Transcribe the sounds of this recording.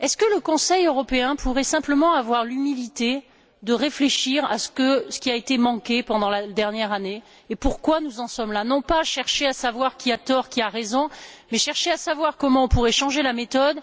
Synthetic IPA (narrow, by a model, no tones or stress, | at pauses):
ɛskələkɔ̃sɛjøʁɔpeɛ̃pʰuʁɛsɛ̃pləmɑ̃avwaʁlymilit̪e | d̪əʁefleʃiʁa̰sə̥kəsə̥kʲiaet̪emɑ̃kʲepɑ̃d̪ɑ̃lad̪ɛʁnjɛʁaneː | puʁkwanuzɑ̃sɔmlanɔ̃paʃɛʁʃeasavwaʁkʲiat̪ɔʁkʲiaʁezɔ̃mɛʃɛʁʃeasavwaʁkɔmɑ̃ɔ̃puʁɛʃɑ̃ʒelamet̪ɔd̪